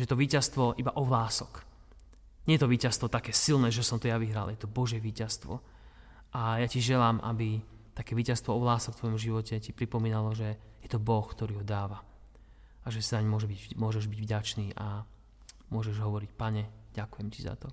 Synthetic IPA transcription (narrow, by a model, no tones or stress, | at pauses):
ɛjɛt̪ɔʋiːcast̪ʋɔʔibaʔɔʋlaːsɔk | ɲɛjɛt̪ɔʋiːcast̪ʋɔt̪akɛːsilnɛːʒɛsɔmt̪ɔjaʋiɦɾaljɛt̪ɔbɔʒjɛʋiːcast̪ʋɔ̰ | ʔajaciʒɛlaːmʔa̰bi | t̪akɛːʋiːcast̪ʋɔɔʋlaːsɔkt̪ʋɔjɔmʒiʋɔcɛcipɾipɔmiːnalɔʒɛ | jɛt̪ɔbɔxkt̪ɔɾiːɦɔd̪aːʋa | aʒɛsinaɲmʊɔʒɛbimʊɔʒɛʒbiɟvɟat͡ʃniːʔa | mʊɔʒɛʒɦɔʋɔɾicpaɲɛɟakujɛmciza̰t̪ɔ